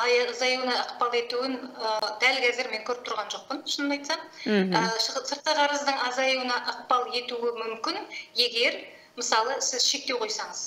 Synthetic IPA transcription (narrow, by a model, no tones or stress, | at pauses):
jzɑjuwənɑəqpɑlˠe̞t̪uɪnəd̪̥ælkʲʰæzɪɾme̞ŋkʲʰɵɾɪp̚t̪ʰɾʁɑnʒo̞q̚pənʊ̥ʃənənɑjt̪sɑməsəɾt̪̚qəqʰɑɾəzd̪əɴɑzɑjuənɑʔəq̚pɑlˠe̞t̪uɪmʏmkʲɪnje̞ɡʲe̞ɾ | məsɑlˠəsɪzʃe̞k̚t̪ewqʰo̞jsɑɴəz̥